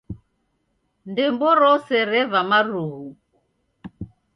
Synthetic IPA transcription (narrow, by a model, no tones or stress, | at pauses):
ndɛmbɔɾɔsɛɾɛβamaɾuɦu